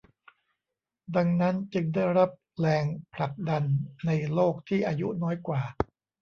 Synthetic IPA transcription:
da˧ŋna˦˥nt͡ɕɯ˧ŋdaː˥˩jɾa˦˥p̚ | lɛː˧ŋpʰla˨˩k̚da˧nːa˧jloː˥˩k̚t̪ʰiː˥˩ʔaː˧jṵ˦˥nɔː˦˥jkwaː˨˩

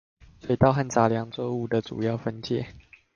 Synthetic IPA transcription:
swe˨˩˨t̪ɑ˥˧ʊxa˥˨nt͡sa˧˥ljɑ˧˦ŋt͡swɔ˥˧u˥˩d̪ə˨ʈ͡ʂṵ˨˩jɑ˥˨ʊfə˦nt͡ɕjɛ̰˥˩˨

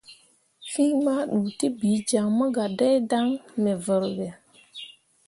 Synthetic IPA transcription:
fi˦ma˦ɗuː˨ti˦biː˨˦d͡ʒa˨ŋmə˦ɡa˨dɛ˦da˦ŋmɛ˨və˨ɾwɛ˨

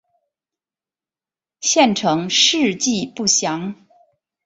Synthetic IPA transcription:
ɕjɛ˥˩nʈ͡ʂʰɤ˧˥ŋʂɻ̩˥˧t͡ɕi˥˧pu˥˩ɕjɑ˧˥ŋ

